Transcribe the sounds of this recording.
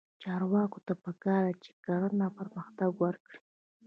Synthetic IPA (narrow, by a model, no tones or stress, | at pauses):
t͡ʃɑɾwɑkot̪apəkɑɾat͡ʃe̥kaɾanapəɾməxt̪aɡwaɾkɽi̥